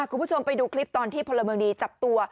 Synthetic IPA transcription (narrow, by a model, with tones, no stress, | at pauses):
a˧˨˩kʰu˧nmbt͡ɕʰo˧mpa˧jduː˧kʰli˦˥p̚t̪ɔː˧nt̪ʰiː˥˩pʰo˧lːa˧mɤː˧ŋdiː˧t͡ɕa˨˩p̚t̪u˧ɐ